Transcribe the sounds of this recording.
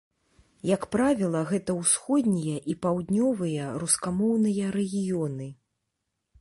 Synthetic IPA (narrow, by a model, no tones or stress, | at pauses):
jɐkpɾavʲilˠɐɣɛt̪ɐwsxɔd̪ʲnʲijɐʔipawd̪ʲnʲɔvɨjɐɾuskamɔwnɨjɐɾɛɣʲijɔnɨ